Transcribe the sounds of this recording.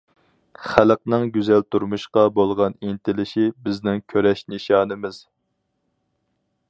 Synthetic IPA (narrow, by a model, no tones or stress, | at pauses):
χæləqnɨŋɡʲyzælt̪ʰuɾmuʃqɑbolˠʁɑnint̪ʰɪlɪʃibɪznɪŋkʲʰøɾɛʃnɨʃɑːnɨmɪz̥